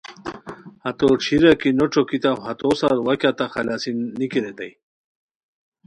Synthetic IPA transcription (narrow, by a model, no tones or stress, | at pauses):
hat̪oʈ͡ʂʰiɾakinoʈ͡ʂokit̪awɦat̪osaɾwakʲat̪axalasinikiɾet̪aj